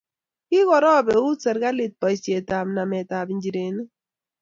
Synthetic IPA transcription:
kɪ˦ɣɔ˨ɾɔ˦˨bɛ˨u˦tsɛ˨ɾɡa˦lɪ˨t̚pɔ˨i˨sje˨ta˨mna˨mɛ˨ta˨bi˨nd͡ʒi˨ɾe˨ni˦

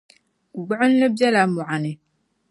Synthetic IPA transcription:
ɡ͡bʊ˦ʕʊ˦n˦lɨ˦bja˦la˨mu˨ʕa˨nɪ˨

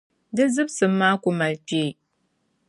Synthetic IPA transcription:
dɨ˦zɨ˦bsɨ˨mːaː˦ku˦ma˨lpe˦˨

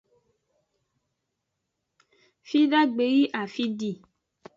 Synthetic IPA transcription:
fi˦ɖa˦ɡ͡be˨ji˦ʔa˨fi˦ɖi˦˨

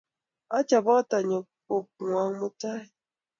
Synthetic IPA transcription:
a˦t͡ʃa˨bɔ˦ta˨ɲə˨po˨p̚ŋwʷa˨ŋmu˦ta˦

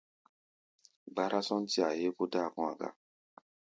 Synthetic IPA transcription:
ɡ͡ba˦ɾa˦sɔ̃˦n̩˦ti˦a˨je˦ko˦da˦˨kɔ̃˧˨a˨ɡa̰˦

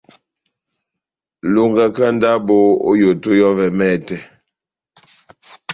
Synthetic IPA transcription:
lo˦ŋɡa˦ka˦n˦da˦bo˦o̰˦jo˨to˦jɔ˦vɛ˨mɛ˦˨tɛ˨

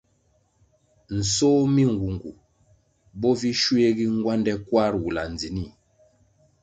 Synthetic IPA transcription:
n̩˨sɔː˦mi˦ŋ˨ɡu˨ŋɡu˨ | bɔ˦vi˦ʃwe˦ɡi˦ŋ˦ɡwa˦ndɛ˦kwa˦ɾwu˨la̰˨n˨d͡zi˨ni˦˨

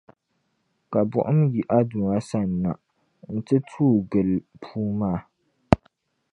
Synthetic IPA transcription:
ka˨bʊ̰˨ʔʊ˦mji˨ʔa˦du˨a˦sa˦˨nː˨a˨ | n̩˦tɨ˦tʰuː˦ɡɨ˨lpʰuː˦maː˦˨

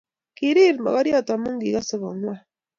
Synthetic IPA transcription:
ki˨ɾi˦ɾmɔ̰˨ɣɔ˦ɾjɔ˦˨twa˨mu˦ŋɡi˨ɣa˦so˦βɔ˨ŋwa˦

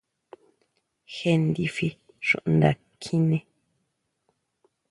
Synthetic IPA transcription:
he˧n˦d̪i˧fi˦ | ʃṵ̃˨ʔn˨d̪a̰˨ | kʰĩ˦nẽ˦

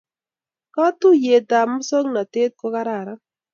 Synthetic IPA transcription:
kɔ˦t̪u˦je˨ta˨mʊ˦so˦ŋna˨te˦t̪̚ko˦ka˦ɾa˨ɾa˦

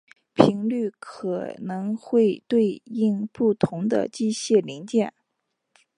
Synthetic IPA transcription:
pʰi˧˥ŋly˥˩kʰɤ˨˩nɤ˧˥ŋxwe˥˧ɪt̪we˥˧ɪi˥˧ŋpu˥˩t̪ʰʊ˧˥ŋd̪ə̰˧t͡ɕi˥˧ɕjɛ˥˩li˧˥ŋt͡ɕjɛ˥˩n

